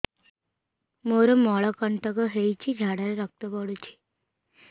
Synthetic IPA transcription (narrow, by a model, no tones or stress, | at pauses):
moɾəmɔɭəkəɳʈəkəɦejt͡ɕiːd͡ʑʱaɽaɾeɾək̚t̪əpəɽut͡ɕi̥